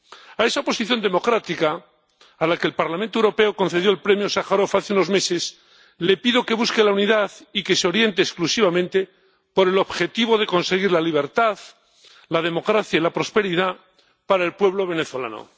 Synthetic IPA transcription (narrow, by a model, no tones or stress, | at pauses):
ae̞saopo̞siθjo̞nd̪emo̞kɾat̪ikaː | lake̞ːlpaɾlamẽnt̪owɾo̞pe̞oko̞nθeðjo̞elpɾe̞mjo̞saxaɾo̞faθeuno̞zme̞se̞s | le̞piðo̞ke̞β̞uske̞launiðaðike̞seo̞ɾje̞nt̪eːsklusiβ̞amẽnt̪e̞ | po̞ɾe̞lo̞βxe̞t̪iβo̞ðe̞ko̞nseɣiɾlaliβ̞e̞ɾt̪að | laðe̞mo̞kɾaθjailapɾo̞spe̞ɾiða | paɾae̞lpwe̞βlo̞β̞e̞ne̞θwo̞la̰no̰